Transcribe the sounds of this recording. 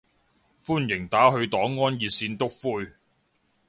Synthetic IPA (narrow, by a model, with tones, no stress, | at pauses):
fuː˥njɪ˨˩ŋt̪aː˨˥ɦɵ˧ɥt̪ɔː˨˥ŋːɔː˥njiː˨t̚siː˧nt̪ʊ˥k̚fuː˥j